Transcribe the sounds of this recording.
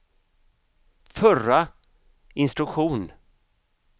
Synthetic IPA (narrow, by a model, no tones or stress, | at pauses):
fœra | ɪnst̪ɾɵkɧuːn